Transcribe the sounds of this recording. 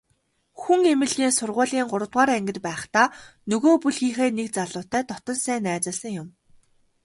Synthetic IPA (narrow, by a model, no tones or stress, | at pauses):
xuŋemɘ̆ɮɣiːnsʊrʁʊːɮiːŋɢʊɾə̆t̪ʁaːɾæŋɡʲɪ̆t̪pæːχt̪aːnɵɣoːpuɮxiːχeːnek̚t͡saɮʊːt̪æːt̪ɔt̪ɞ̆nsæːnæːt͡sə̆ɮsə̆ŋjʊm